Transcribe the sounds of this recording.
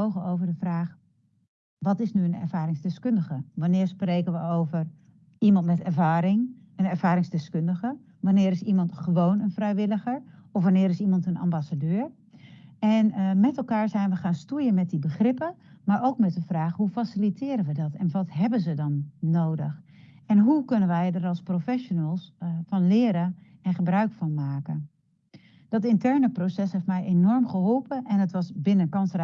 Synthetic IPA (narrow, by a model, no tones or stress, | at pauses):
owɣəowvəɹdəvraːχ | ʋɑtɪsnyənɛ̰ɹvaːɾɪŋzdɪskøndəɣəʋanɪːɹsprejkənʋəowvər | imɑntmɛtɛɹvaːɾɪŋ | ənɛɹv̥aːɾɪŋzdɪskøndəɣə | ʋanɪːɾɪsimɑntχəʋoːwnənfrɛjʋɪləɣəɹɔfʋanɪːɾɪsimɑntəna̰mbasadøːɹ | ɛnmɛtɛlˠkaːɹzɛjnʋəχaːnstujənmɛt̚dibəχrɪpəmaːɹʔowkmɛt̚dəfraːχɦufasilitʰɪːɾənʋədɑtɛnʋɑtɦɛbənzədɑnːowdəx | ɛnɦukɵnənʋɛjdəɾɑlˠsprofɛʃonəlˠsfɑnlɪːɾəɛnχəbrœɥkfɑnmaːkə | d̥ɑtɪntɛɹnəprosɛsɦeftmɛjʔenɔɹmχəɦolˠpəʔɛnətʋɑsbɪnənkɑnsr